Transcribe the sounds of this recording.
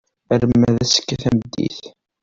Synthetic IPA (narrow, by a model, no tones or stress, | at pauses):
əɾmmːæðæsə̥kːæθæməd̪ːḭθ